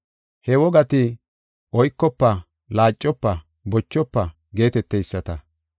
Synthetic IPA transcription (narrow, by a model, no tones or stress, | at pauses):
hɛwɔɡɐt̪ɪ | ʔɔjkːɔpːɐ | laːt͡ʃʼːɔpːɐ | bɔt͡ʃːɔpːɐ | ɡe̞ːt̪ɛt̪ːɛjsːɐt̪ɐ